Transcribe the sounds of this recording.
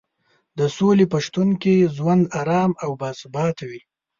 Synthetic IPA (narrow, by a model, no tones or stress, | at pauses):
d̪əsolepaʂt̪unkezwand̪aɾɑːmawbɑːsʊbɑt̪ʰawi